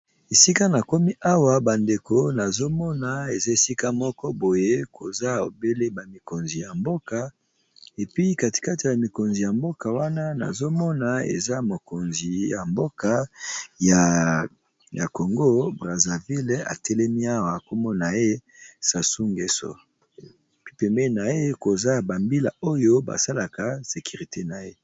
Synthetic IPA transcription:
e˨si˦ka˦na˨ko˦mi˦ʔa˦wa˨ba˨nde˨ko˨na˨zo˦mɔ˦na˨e˨za˦e˨si˦ka˦mɔ˦kɔ˦bo˨je˦ko˨za˦o˨be˦le˦ba˨mi˨ko˨nzi˨ja˨mbo˦ka˨ | e˨pi˦ka˨ti̥˨ka˦ti˨ja˨mi˨ko˨nzi˨ja˨mbo˦ka˨wa˦na˦na̰˨zo˦mɔ˦na˦ḛ˨za˦mo˨ko˨nzi˨ja˨mbo˦ka˨ja˨ | ja˨ko˨ŋɡo˦bʁa˨za˨vi˦la̰˨tɛ˦lɛ˦mi˦a˦wa˨ko˦mɔ˦na˨e˦sa˨su˦ŋɡe˨so̰˨ | pi˦pɛ˨mbɛ˦na˨je˦ko˨za˦˨ba˨mbi˦la̰˨o˦jo˦ba̰˨sa˦la˨ka˨se˨ki˨ʁi˨te˦na˨je˦

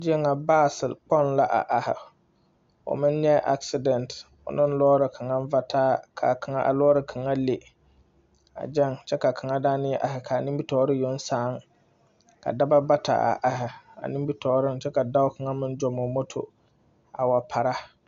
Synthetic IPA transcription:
d͡ʒɪ˦ɛ˦ŋa˨baː˦˨sɪ˨lk͡pɔ˦˨nla˦ʔa̰˨ʔa˨hɪ̰˨ | ʊ̰˨mɪ̃˦n˦ɲɛ˦ʔa̰˦ksɪ˨dɛ˨nt | ʊ̰˨nɪ˦n̩˦lɔː˦ɾɨ˨kʰa˨ŋa˦ɱ˦va˦tʰaː˦kʰa̰˨kʰa˨ŋa˦ʔa̰˨lɔː˦ɾɨ˨kʰa˨ŋa˦le˨ | a̰˨d͡ʒɛ˦˨ŋt͡ʃɛ˦ka˨kʰa˨ŋa˦daː˦nɪ˦jɛ˦ʔa˨hɪ˨kʰa˨nɪ˦bi˦tɔː˨˦ɾɪ˦jo˨˦n̩˦saː˨˦ŋ | ka̰˨da˦ba˦ba˦tʰa̰˨ʔa̰˨ʔa˨ɦɪ˨a̰˨nɪ˦mbi˦tʰɔː˨˦ɾɪ˦nt͡ʃɛ˦ka˨da˦ʊ˦kʰa˨ŋa˦mɪ̃˦n˦d͡ʒɔ˨mo˨mo˦tʰo̰˨ | a˨wa˨pʰa˨ɾa˦

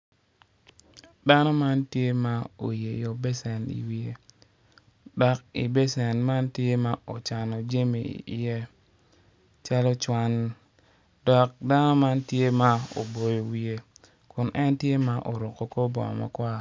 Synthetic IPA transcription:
da˦nɔ˦ma˦ntje˦ma˦o˨je˨jo˨be˦sɛ˨nḭ˨wi˦e˦ | dɔ˨ki˨be˦sɛ˨nma˦ntje˦ma˦o˨t͡ʃa˨nɔ˨d͡ʒe˦mḭ˨jɛ˦ | t͡ʃa˦lɔ˦t͡ʃwa˦n | dɔ˨k̚da˦nɔ˦ma˦ntje˦ma˦o̰˨bo˨jo˨wi˨e˦ | kʊ˨nʔɛ˦ntje˦ma˦ʔo˨ɾo˨ko˨ko˦bɔ̰˨ma̰˨kwa˦

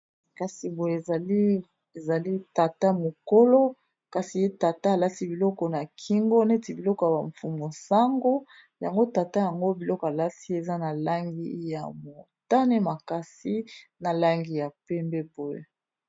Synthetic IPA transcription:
ka˨si˨bo˦jza˨li˦ | e˨za˨li˦ta˨ta˦mo˨ko˦lɔ˦ | ka˨si˨je˦ta˨ta˦a˨la˦si˦bi˨lɔ˦kɔ˨na˨kʰi˦ŋɡo˦ne˦ti˨bi˨lɔ˦kɔ˨ja˨ba˨ɱfu˨mo˨sa˦ŋɡo˦ | ja˨ŋɡo˦ta˨ta˦ja˨ŋɡo˦bi˨lɔ˦kɔ˨a˨la˦si˦e˨za˦na˨la˦ŋɡḭ˦ja̰˨mo˨ta˦ne˦ma˨ka˨si˦na˨la˦ŋɡi˦ja˨pɛ˦mbɛ˦bo˦jḛ˨

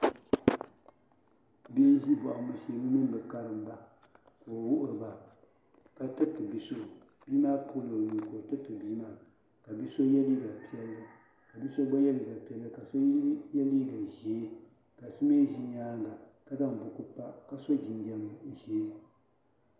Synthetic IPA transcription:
bi˦ʒi˦bɔ˨ʔa˨mɨ˨se˨nɨ˦nɨ˦n˦bɨ˨ka˦ɾɨ˨m˦ba˨ | ko˨wʊ˦ʔʊ˨ɾɨ˨ba˨ | ka˦˨tɨ˦tɨ˨bi˨˦so˦˨ | biː˦maː˦pʰo˦lo˨ju˨ko˨tɨ˦tɨ˨bi˦maː˦˨ | ka˨bi˦so˦jɛ˦li˦ɡa˨pi˦ɛ˦lːɨ˦ | ka˨bi˦so˦ɡ͡ba˦jɛ˦li˨ɡa˨pi˨˦ɛ˦lːɨ˦ka˨so˦jɛ˦liː˦ɡa˨ʒi˨˦e˦ | ka˨sɨ˦me˦ʒi˦ɲaː˦n˨a˨ | ka˦da˦ŋ˨bʊ˨ku˦pa˦ka˦so˦d͡ʒi˨ndi˨ɛ˦m˨ʃeː˨˦

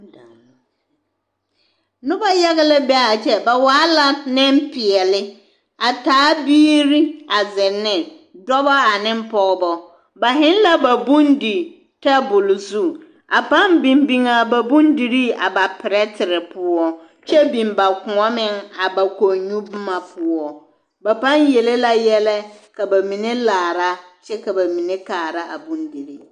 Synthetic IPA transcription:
nʊ˦ba˦ja˦ɣɪ˦lɪ˦bɛ˦a˨t͡ʃɛ˦ba˨waː˦la˨nɪ˦mpɪ˨ɛ˨lɪ˦ | a˨taː˨˦biː˦ɾi˦a˨zɪ˨nːɪ˨ | dɔ˦ba˦a˨nɪ̃˦m˦pɔ˨ɣbɔ˨ | ba˨ɦɪ̃˦n˦la˦ba˨bũ˦ndi˨ | ta˦bʊ˨lzu˦ | a˨pa˦nbĩ˨mbi˨ŋa˨ba˨bũ˦ndi˨ɾi˦a̰˨ba˨pɪ˨ɾɛ˦tʰɪ˨ɾɪ˨pʰʊ˦ɔ˦ | t͡ʃɛ˦bĩ˨mba˨kʊ˨ɔ˦mɪ̃˦ŋa˨ba˨ko˨ɲũ˦bʊ˦ma˨pʰʊ˦ɔ˦ | ba˨pã˦nje˨le˦la˦jɛ˦lɛ˦ka˨ba˨mĩ˨ne˦laː˨ɾa˦ | t͡ʃɛ˦ka˨ba˨mĩ˨ne˦kaː˨ɾa˦a̰˨bũ˦ndi˨ɾi˦

